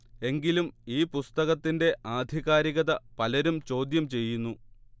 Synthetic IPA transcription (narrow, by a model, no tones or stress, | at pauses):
e̞ŋɡilumiːpust̪ɐɣɐt̪ːinde̞ʔaːd̪ʱiɣaːɾiɣɐðɐpɐlɐɾumt͡ɕo̞ːd̪jɐmt͡ɕe̞jːunːu